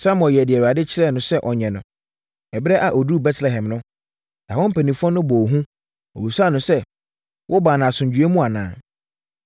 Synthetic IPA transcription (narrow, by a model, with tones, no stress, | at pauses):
sa˦m˨ɔ˨jɛ˨dɪ˨ɛ˨wa˨dɪ˦t͡ɕʰɪ˦ɾɛ˦˨nʊ̃˨˦sɛ˦ʔɔ˨ɲɛ̃˨nʊ̃˨ | ɛ˨bɛ˦ʔa˨ʔɔ˨du˦˨bɛ˦tʰlɛ˨ɦɛ̃˨mnʊ̃˦ | nã˨wɔ̃˦m̩˦pʰæ˨nĩ˨fɔ̃˦nʊ̃˦bɔ˨ɦũ˦ | ɔ̰˨bi˨sa˦˨nʊ̃˨sɛ˦ | wʔɔ˦baː˨nã˨sʊ̃˨ɲ˨d͡ʑu˨˦e˦mũ˦a˨nã̰ː˨